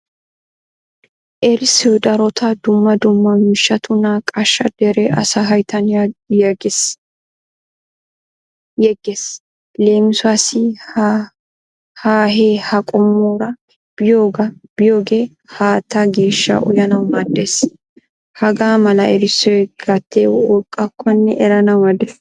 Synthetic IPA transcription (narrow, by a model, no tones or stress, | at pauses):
ʔɛɾɪsɔjd̪ɐɾɔt̪ʰɐd̪ʊmːɐd̪ʊmːɐmɪʃːɐt̪ʊnɐkʼɐʃːɐd̪̥ɛɾɛʔɐ̰saɦɐjt̪ʰɐnjaɡɪ | jɛɡes | le̞ːmɪsʊasɪ | haːɦeːhɐkʼɔmːoːɾɐ | b̥ɪjoːɡɐb̥ɪjo̞ːɡe̞ː | haːt̪ːaɡe̞ːʃːɐ̰ʔɔ̰jɐnɐwmɐd̪eːs | hɐɡaːmɐlɐɛɾɪsɔjɡɐt̪ʰːeːwwɔkʼːɐkʰːɔnːɛʔɛɾɐnɐwɐd̪es